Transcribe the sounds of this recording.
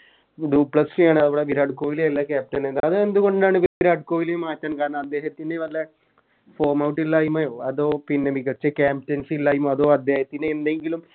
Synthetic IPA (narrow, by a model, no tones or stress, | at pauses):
d̪uːpɭɐsijaːɳɨɐðɐboːɽeʋiɾaːɖkoːʋileelːɐkaːp̚ʈɐnend̪aɐðɨend̪uɣo̞ɳɖaːɳɨʋiiɾaːɖkoːʋilejumaːtːaːnkaːɾɐɳɐmɐd̪ːe̞ːhɐt̪ːindeʋɐlːɐ | foːmɐwʈːilːaːjumːɐjoːɐðoːpinːemiɣɐt͡ɕːɐkʲaːmptɐnsilːaːjumoɐðo̞ːɐd̪ːe̞ːhɐt̪ːineːnd̪eŋɡilum